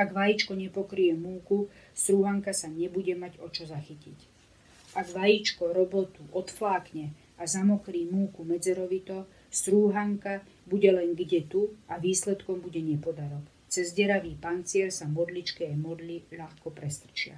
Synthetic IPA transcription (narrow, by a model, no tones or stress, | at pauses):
aɡʋajit͡ʃkɔɲɛpɔkɾijɛmuːkust̪ɾuːɦaŋkasaɲɛbuɟɛmaɟɔt͡ʃɔzaxicic | aɡʋajit͡ʃkɔɾɔbɔt̪uʔɔt̪flaːkɲɛ | azamɔkɾiːmuːkumɛd͡zɛɾɔʋit̪ɔ | st̪ɾuːɦaŋka | buɟɛlɛŋɡɟɛt̪uaʋiːslɛt̪kɔmbuɟɛɲɛpɔd̪aɾɔk | t͡sɛzɟɛɾaʋiːpant͡sɪɛlsamɔd̪lit͡ʃkɛːmɔd̪liʎaxkɔpɾɛst̪r̩t͡ʃɪa̰